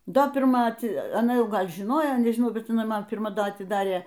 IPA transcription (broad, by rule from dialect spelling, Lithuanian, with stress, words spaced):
ˈdoː pʲɪrˈmɐ ɐˈtʲɪ ɐˈnɐ ˈjɛʊ ˈɡɐlʲ ʒʲɪˈnoːjoː nʲɛʒʲɪˈnɐʊ ˈbʲɛt ɪˈnɐɪ ˈmɐn pʲɪrˈmɐ ˈdɐ ɐtʲɪˈdɑːrʲeː